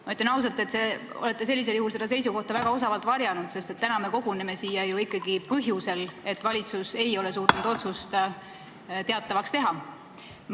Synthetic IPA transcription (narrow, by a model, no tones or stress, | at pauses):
mɑyt̪ːˑɑnɑws̬ɑlt̪ːˑe̞t̪se̞ | o̞le̞t̪ːe̞se̞lːis̬e̞ljuhulse̞d̪ɑs̬e̞jsuko̞ht̪ɑvæɡ̥ɑo̞s̬ɑvɑlt̪ˑvɑɾjɑnud̪̥se̞st̪e̞t̪ːænɑme̞ko̞ɡ̥uneme̞siːjɑjuikːˑɑɡ̥ipɤɦjuse̞le̞t̪ːˑvɑlʲit̪suse̞jo̞le̞s̬uːt̪ˑunud̪̥o̞t̪sust̪ɑ | t̪e̞ɑt̪ːˑɑvɑkst̪e̞ɦɑ